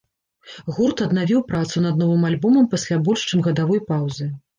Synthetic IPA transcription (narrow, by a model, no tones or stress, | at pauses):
ɣurt̪ɐd̪navʲiwpɾat̪sunɐd̪nɔvɨmalʲbɔmɐmpasʲlʲabɔlʲʂt͡ʂɨmɣɐd̪avɔjpawzɨ